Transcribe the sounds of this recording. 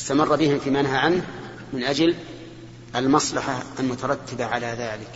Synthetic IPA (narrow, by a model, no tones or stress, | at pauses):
ɪst̪amɑrˤːɑbɪhɪmfiːmanɦaʕanh | mɪnʔad͡ʒl | ʔalmɑsˤlɑħaalmʊt̪ɑɾˤɑt̪ːɪbaʕalaðaːlɪk